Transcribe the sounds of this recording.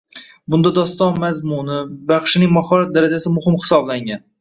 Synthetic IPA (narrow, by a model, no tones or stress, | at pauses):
bʊnd̪ad̪ɒst̪ɒnmazmʊnɪbaχʃɪnɪŋmahɒɾat̪̚d̪aɾad͡ʒasɪmʊhɪmhɪ̥sɒblaŋʲan